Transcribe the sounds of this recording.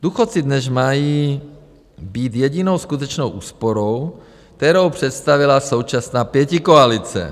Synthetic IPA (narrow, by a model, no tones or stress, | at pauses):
d̪uxot̪t͡sid̪nɛzmajiː | biːt̪jɛɟino̞wskut̪ɛt͡ʃnowʔuːspoɾow | k̚t̪ɛɾowpr̝̥ɛt̪st̪avɪlaso̞wt͡ʃasnaːpjɛcikoalit͡sɛ̰